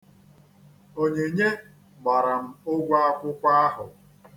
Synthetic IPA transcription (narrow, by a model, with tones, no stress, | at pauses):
o˦ɲe˨ɲe˦ | ɡ͡ba˨ɾa˨m̩˦ʊ˦ɡʷa˦a˦kʷʊ˦kʷa˦a˦ɦʊ˨